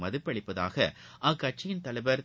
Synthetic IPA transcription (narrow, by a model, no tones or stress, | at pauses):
mɐðɯpːɐɽɪpːɐða̰ːɣɐʔaːkɐʈ̚t͡ʃɪjɪnt̪ɐɭɐɪʋɐɾ